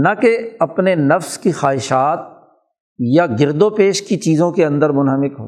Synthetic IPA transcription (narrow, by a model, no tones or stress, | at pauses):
nɐkeɐpnenɐfskixaːɦɪʃaːt̪̚ | jaɡɪɾd̪opeːʃkit͡ʃiːzõkeɐ̃nd̪əɾmʊnɦəmɪkɦo̰ː